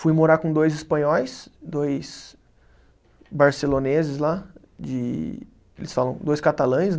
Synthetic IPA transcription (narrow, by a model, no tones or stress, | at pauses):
fujmoɾakõd̪ojzɪspɐ̃ɲɔjsd̪ojs | baɾselonezɪsla | d͡ʒɪ | elɪsfalɐ̃w̃d̪ojskat̪alɐ̃j̃s